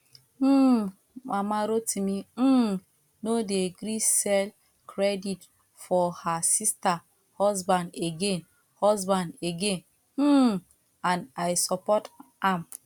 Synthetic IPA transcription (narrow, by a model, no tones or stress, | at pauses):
mamaɾotimi | nodeɡɾisɛl | kʰɾedit | fɔhasista | hɔzbãndeɡen | hɔzbãndeɡẽn̩ | ãnajsɔpɔt | am